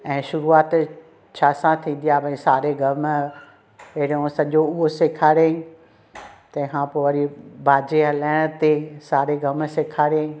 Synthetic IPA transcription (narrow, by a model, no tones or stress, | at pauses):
ɛ̃ːʃʊɾuaːt̪ | t͡ɕʰaːsãt̪ʰĩːn̆d̪ijabʱɐ̃ĩsaːɾeɡʱɐm | eɦɪɽiõsɐʄoʊɦoseːkʰaːɾẽ | t̪ɐ̃ːɦãpoʋɐɾibʱaːd͡ʑeɦɐlaːɪɽ̃t̪esaːɾeɡʱɐmseːkʰaːɾe